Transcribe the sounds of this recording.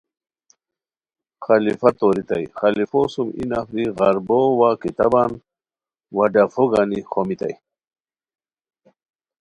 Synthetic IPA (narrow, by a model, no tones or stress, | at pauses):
xalifat̪oɾit̪a̰jxalifosumḭnafɾiɣaɾbowakit̪a̰ban | waɖafoɡanixomit̪a̰j